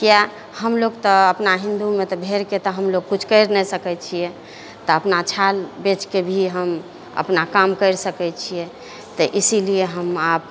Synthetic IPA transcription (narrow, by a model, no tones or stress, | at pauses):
kija | həmloɡt̪ɔəpnaɦĩnd̪umet̪ɔbʱeɾket̪əɦəmloɡ̚kut͡ʃʰkəɪɾnɛsəkɛt͡ʃʰijɛ | t̪ɔəpnat͡ʃʰalbet͡ʃkebʱiɦəm | ə̰pnakamkəɪɾsəkɛt͡ʃʰijɛ | t̪əʔisilieɦəmap̚